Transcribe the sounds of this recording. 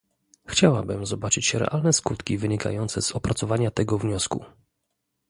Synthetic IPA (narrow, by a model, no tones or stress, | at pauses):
xt͡ɕawa̰bɘmzɔbat͡ʂɘt͡ɕɕɛɾɛ̰ʔalnɛskut̪kʲivɘɲika̰jɔnt̪sɛzɔpɾat̪sɔvaɲat̪ɛɡɔvɲɔskṵ